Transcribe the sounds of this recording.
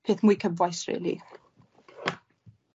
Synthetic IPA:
pʰeːθmuːjkʰəbvɔjsrḛːlˠḭ

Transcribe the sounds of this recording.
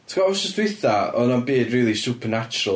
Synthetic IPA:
tʰkaɔsəsdwɪθaɔnanbeːdriːlˠisupʰənat͡ʃʊɾə

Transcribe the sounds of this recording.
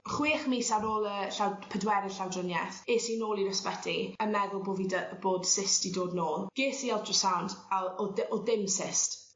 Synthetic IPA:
χwiːχmiːsaɾoːlˠəɬawpʰədwɛɾəɬawdrʊnjɛθeːsinoːlˠiɾəspətʰiəmɛðʊlˠboːvidb̥oːd̥sɪstidoːdnoːlˠɡ̥eːsiɛlˠtʰrɔsawndalɔdɔdɪmsɪst

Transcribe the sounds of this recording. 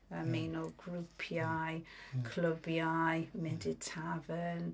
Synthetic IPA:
əmejnɔɡɹupʰjajkʰləbjajmɛndɪtʰavən

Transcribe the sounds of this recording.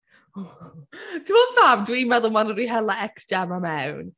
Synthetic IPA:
tʰuɔsamdwimɛðəmanəɾiɦɛlaɛksd͡ʒamamɛwn

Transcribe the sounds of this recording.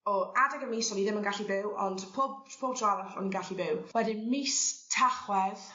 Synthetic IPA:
ɔadɛɡəmiːsɔniðɪmənɡaɬibɪwɔ̰ndpʰɔbpʰob̚dʰraɾəχɔ̰niɡaɬibɪwwɛdɪnmiːstʰaχwɛð

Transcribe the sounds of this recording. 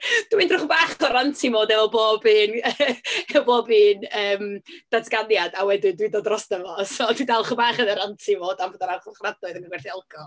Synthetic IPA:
d̥windrʊχbaːχʰɔɾantʰimoːdɛvɔboːbiːn | ɛvɔboːbiːnəːmd̥atʰɡ̥anjadawɛdɪndwɪdɔdrɔsnəvɔsɔːdwidalˠχəbaːχənəɾantʰimoːdamvɔːdaɾawχʊχradʊɨðənəɡwɛrθiɛlˠkʰɔ

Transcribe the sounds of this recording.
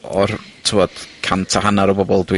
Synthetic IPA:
ɔ̰rtʰɪwɔd̥kʰantʰaɦanaɾəbɔbɔlˠdwɪ

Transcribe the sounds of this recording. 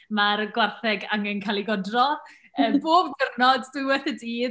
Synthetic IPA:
maɾɡwarθɛɡaŋɛnkʰalˠiɡɔdrɔ | əːboːbɡərnɔddɨwɛθədiː

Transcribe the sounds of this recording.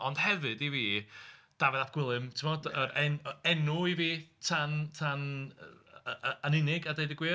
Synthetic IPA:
ɔnd̥hɛvɨdiviːd̥avɛðap̚ɡ̥wɪlˠɨmtʰɪmɔdəɾɛnɛnuiviːtʰantʰan | anɪnɪɡadejdəɡwiː

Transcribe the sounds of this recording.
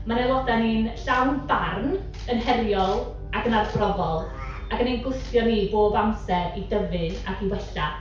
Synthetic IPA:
manɛlˠɔdaninɬawnbarn | ənɦɛrjɔlˠ | aɡənarbrɔvɔlˠ | aɡənenɡʊstjɔniboːbamsɛɾidəvɨnaɡiwɛɬa

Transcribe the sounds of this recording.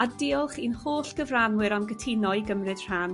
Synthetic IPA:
adɪɔlˠχinhoːɬɡ̥əvranwɨɾamɡətʰinɔjɡəmrɨd̥r̥an

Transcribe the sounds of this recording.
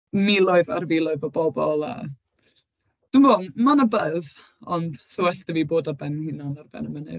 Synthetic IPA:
milˠɔɨva̰rvilˠɔɨvɔbɔbɔlˠa̰ | d̥ɪmvoːmanabəð | ɔnd̥səwɛɬtəviːboːdabɛnhɪnanarbɛ̰nəmənɨ̰

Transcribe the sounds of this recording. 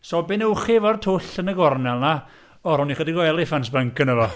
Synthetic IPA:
sɔbɪnəwχivɔrtʰʊɬənəɡɔrnɛlˠna | ɔɾʊniχədiɡɔɛlˠɪfansbəŋkənəvɔ

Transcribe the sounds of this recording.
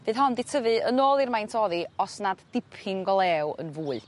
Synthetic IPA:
v̥ɨːðɦɔndɪtʰəvɨənoːlˠirmajntʰɔːðiɔsnadd̥ɪpʰɪŋɡɔlˠɛwə̰nvuːɨ

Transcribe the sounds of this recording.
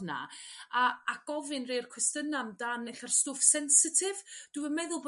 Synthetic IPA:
na̰aːɡ̥ɔvɨnrejrkʰwɛstənamdanɛɬɛrstʊːfsɛnsɪtʰɪvd̥wɨəmɛðʊlˠb

